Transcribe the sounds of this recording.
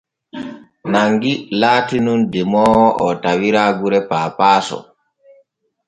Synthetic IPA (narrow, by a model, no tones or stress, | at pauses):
naŋɡilaːtinundɛmɔːhɔʔɔtawiɾaːɡuɾɛpaːpaːsɔ̰